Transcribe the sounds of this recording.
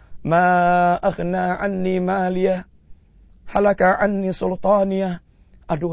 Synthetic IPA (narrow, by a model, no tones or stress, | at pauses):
maːʔaɣnaːʕanːiːmaːlɪja | halakaʕanːisʊlt̪ˤɑːnɪja | ʔadu